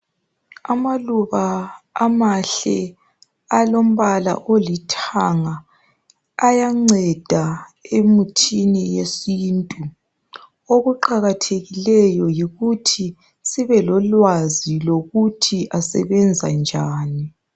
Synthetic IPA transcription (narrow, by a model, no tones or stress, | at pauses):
amaluβaːmaɬɛ | alom̩βala̰ʔolitʰaŋaː | jaŋ͡ǀɛd̥ʱaemutʰinijesintʼu | oɣuǃaɣatʰeɣilɛjɔjiɣutʰi | siβɛlɔlwaziloɣutʰiʔasɛ̰βɛnd͡zʱa̰nd͡ʒʱaːni